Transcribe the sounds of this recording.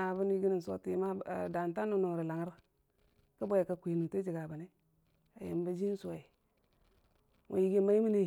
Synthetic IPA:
a˨bu˦n˦i˦ɡi˦ni˨n˨so̰˨ti˨˦ma̰˦˨da˨nta˦nu˦nu˨ŋ˨ɾi˨la˨ŋ˦ɾ | ka˦bo˦je˨ka˨kʷe˨nu˨to˦d͡ʒi˨ɡa˨ba˨ne˦ | a̰˨jḭ˨m˦ba˦d͡ʒi˦n˦su˦˨e˨ | ŋʔo̰˨ji˨ɡi˦ma˦i˦mi˦ne˦

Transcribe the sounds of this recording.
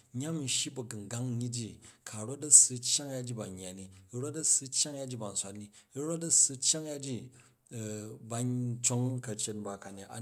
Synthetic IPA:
ɲ˦a˦mi˨ʃi˦bɐ˨ɡɨ˨ŋɡa˦ŋ˦ɲi˦d͡ʒi˦kʰa˨ɾo˦tɐ˦sɨ˧t͡ʃja˦ŋja˦d͡ʒi˦ba˨ɲːa˨ni˦i˦ɾo˦tɐ˦sɨ˦t͡ʃja˦ŋja˦d͡ʒi˦ba˨n̩˨sʷa˦tni˦i˦ɾo˦t̬ɐ˦sɨ˧t͡ʃːa˦ŋja˦d͡ʒi˦˨ | ba˧t͡ʃo˦ŋkɐ˨t͡ʃe˦tba˨ka˨ni˨a̰˨

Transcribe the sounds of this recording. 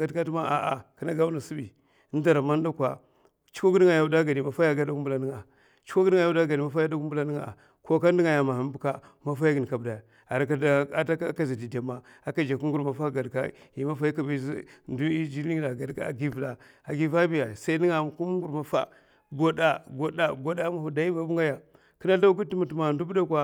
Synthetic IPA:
a˨dka˦tma˦a̰˨ʔa˨ka˨na˦ɡa˦u˦na˨si˦bi˨˦ | n˦da˨ɾa˨ma˦n˦da˦kʷa˨ | t͡ʃi̥˦ko˦ɡu˦di˦ŋa˨ja˨u˨da˦ɡa˨di˨ma˨fa˦ja˦ɡa˦da˦ɡu˦mbu˦la˨ni˦ŋa˨ | t͡ʃi̥˦ko˦ɡi˦˨ja˦wa˦ɡa˨di˨ma˦fa˦ja˦da˦ɡu˦mbu˦la˦ni˦ŋa̰˨ | ko˦ka˦ndi˦ŋa˨ja˨ma˨ha˨m˦bu˨ka˦ma˦fa˦ja˦ɡi˨n˨ka˨bda˨ | a˨ɾa˨ka˦da˦ta˦ka˦za˨di˨da˨ma˨ | a˨ka˨d͡ʒa˨ku˦ŋɡu˦˨ɾma˨fa˦ɡa˨dka̰˦˨ji˨ma˦fa˦ji˦ka˨ba˨˦zu˦d͡ʒi˦i˦ŋ˦da˨ɡa˨d̰ɡi˦vda˨ | a˨ɡi˦va˦bi˦ja˨sa˦i˦ni˦ŋa˨ku˦m˦ŋɡu˨ɾma˨fa̰˦ | ɡo˦da˦ɡo˨da˨ɡo˦da˦ma˨hu˨da˨i˦ba˦bu˦ŋɡa˦ja˨ | ki˦na˦ɬa˦ɡu˦ti˦mu˨tu˨ma˨ndu˦bda˦kwa˦

